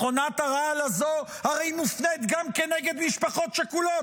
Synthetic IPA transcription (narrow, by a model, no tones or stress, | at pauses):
χonat̪aʁaalazohaʁejmufnet̪ɡamkeneɡed̪miʃpaχo̞t̪ʃekulo